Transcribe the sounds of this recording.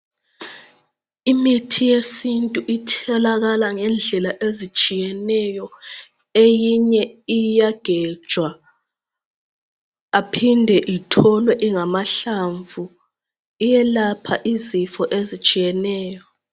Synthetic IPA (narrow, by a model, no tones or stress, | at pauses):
imitʰijesintʼuʔitʰɛlaɣalaŋɛnd͡ɮʱɛlaʔezit͡ʃʼijɛnɛjɔ | ejiɲɛijaɡ̥ʱɛ̥t͡ʃʼwa | apʰindʱɛʔitʰɔlwɛʔiŋamaɬaɱvʱu | ijɛlapʰaʔizifɔʔezit͡ʃʼijɛnɛːjɔ